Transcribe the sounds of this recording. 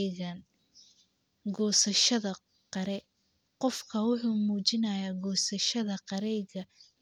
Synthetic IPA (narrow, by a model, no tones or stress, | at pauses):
ɣɐn | ɡɔːsɐʃɐðɐ | qɑɾɛ | qɔfkʰɐwʊħuːmuːt͡ʃɪnɐjaːɡɔːsɐʃɐðɐqɑɾɛjɣɐ